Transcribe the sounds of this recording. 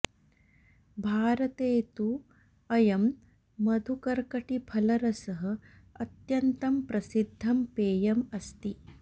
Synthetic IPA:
bʱaːɾɐt̪eːt̪u | ɐjɐmː | ɐd̪ʱukɐɾkɐʈipʰɐlɐɾɐsɐɦɐ̆ | ɐt̪jɐnt̪ɐmpɾɐsid̪ʱːɐmpeːjɐmɐst̪i

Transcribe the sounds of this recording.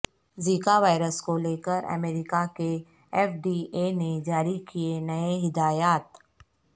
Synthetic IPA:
ziːkaʋaːɪɾəskoleːkəɾɐ̰meːɾɪkake | ɛːfɖiened͡ʒaːɾikienɐeɦɪd̪aːjaːt̪

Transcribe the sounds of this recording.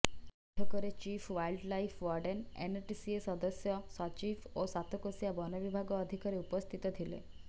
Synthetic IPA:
ʈʰɔkəɾet͡ɕiːfʰʋailɖlaifʰʋɔɾɖenḛnʈisiesɔd̪əsjɔsat͡ɕifosat̪ʰɔkosjabɔnɔʋibʱaɡɔːd̪ʱikəɾeupəst̪ʰit̪ɔd̪ʰʱilḛ

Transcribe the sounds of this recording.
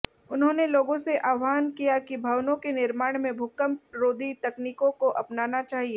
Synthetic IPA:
ʊnɦõneloːɡõseʔaːʊɦaːnkijakibʱɐʋnõkenɪɾmaːɽ̃mẽbʱʊkəmɾoːd̪ʱit̪ɐkniːkõkoʔɐpnaːnat͡ʃaːɦie

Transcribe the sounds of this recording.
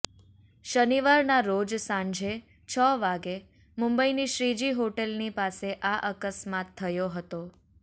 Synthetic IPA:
ʃəniʋaɾnaɾod͡ʒsãɲd͡ʒe | t͡ʃʰəʋaɡe | mũmbəiniʃɾid͡ʒiɦoʈelnipaseʔaʔəkəsmat̪ʰːəjoɦət̪o

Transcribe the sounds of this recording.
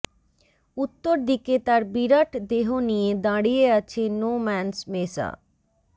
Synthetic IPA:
ut̪ːoɾd̪iket̪aɾbiɾaʈd̪eɦonijed̪ãɽijeat͡ɕʰenomɛnsmesa̰

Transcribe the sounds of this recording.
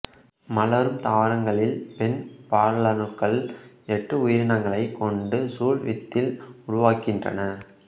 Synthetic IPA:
mɐlɐɾɯmt̪aːʋɐɾɐŋɡɐɭɪlpɛnpaːɾlɐnɯkːɐɭ | ɛʈːɯʊjɪɾɪnɐŋɡɐɭɐɪkːɔɳɖɯsuːɭʋɪt̪ːɪlʊɾʊʋaːkɪndrɐ̰nɐ

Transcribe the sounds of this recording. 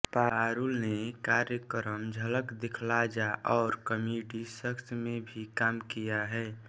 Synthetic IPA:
paɾulnekaɾjəkɾəmd͡ʒʱələkd̪ekʰlad͡ʒaʔɔːɾkəmiɖisəksʰmẽbʱikaːmkijaɦɛː

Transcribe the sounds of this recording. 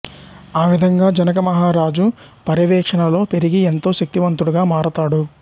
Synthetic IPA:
aːʋid̪ʱɐŋɡaːd͡ʒɐnɐkɐmɐɦaːɾaːd͡ʒu | pɐɾiʋɛːkʂɐɳɐlo̞ːpe̞ɾiɡient̪o̞ːʃɐk̚t̪iʋɐnt̪uɽuɡaːmaːɾɐt̪aːɽu

